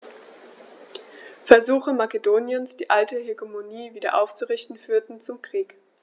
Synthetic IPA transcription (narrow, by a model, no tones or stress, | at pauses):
fɛɐzuːxəmakedoːnjənsd̥iːʔaltəheɡomoniːviːdɐ̰ʔaʊft͡suʁɪçtn̩fyːɐtn̩t͡sʊmkʁ̥iːk